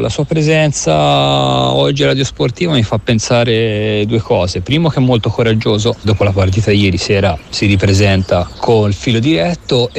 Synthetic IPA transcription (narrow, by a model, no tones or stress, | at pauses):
lʔasuːapɾezɛnt̪sa | ɔd͡ʒːiɾad̪josport̪iːvamifapːensaːɾed̪uːekʰɔːzepɾiːmok̟ɛmːolt̪okoɾad͡ʒːoːzod̪ɔːpolapart̪̬iːt̪ad̪ijɛːɾisɛːɾasiɾipɾezɛnt̪akʰonilfiːlod̪iɾɛt̪ːo